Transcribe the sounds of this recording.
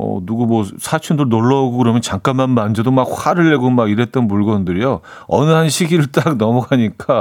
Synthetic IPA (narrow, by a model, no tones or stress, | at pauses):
ʌ̰nuɡumwʌsʰat͡ɕʰundɯnoɭːʌoɡokɯɾʌmjʌnt͡ɕaŋk͈anmanmand͡ʑʌdomak̚ɸwaɾɯɭːe̞ɡomaɡiɾe̞t̚t͈ʌnmuɭɡʌndɯɾijo | ʌnɯɦanɕʰiɡiɾɯɭt͈ak̚nʌmʌɡʰʱaɲik͈a